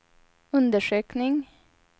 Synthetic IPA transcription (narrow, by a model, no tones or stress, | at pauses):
ɵnd̪əʂøːknɪŋ